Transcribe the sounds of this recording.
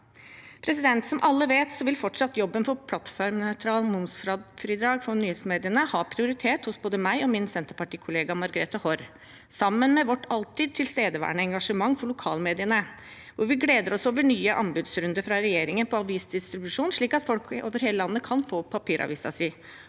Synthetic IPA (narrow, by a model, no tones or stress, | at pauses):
pʰɾɛsɪd̪ɛnt̪sɔmʔɑlːəʋeːt̪sɔʋɪlfɔʈʂɑt̪ːjɔbːənfɔɾpʰlɑt̪fɔɾmnœʏt̪ʰɾɑːlmʊnst̪ɾɑd̪fɾiːd̪ɾɑːɡfɔnyːhɛsmeːd̪ɪənəhɑːpʰɾɪʊɾɪt̪ʰeːt̪hʊsboːd̪əmæɪɔmɪnsɛnt̪əɾpɑʈiːkʰʊleːɡɑmɑɾɡɾɛt̪ɑhɔɾ | sɑmːənmɛʋɔʈːɑlt̪ɪd̪̚t̪ʰɪlst̪eːd̪əʋæ̰ːɳəɛŋɡɑʂəmɑŋːfɔɭʊkʰɑ̰ːlmeːd̪ɪənə | ʋʊɾʋɪɡleːd̪əɾɔsoːʋəɳyːəʔɑ̰mbʉːd̪sɾʉnd̪əfɾɑɾɛjeːɾɪŋənpʰɔɑʋiːsd̪ɪst̪ɾɪbʉʂuːnʂɭiːkɑt̪fɔlko̰ːʋəɾheːləlɑnːəkʰɑnfoːpʰɑpʰiːɾʔɑ̰ʋḭːsɑ̰si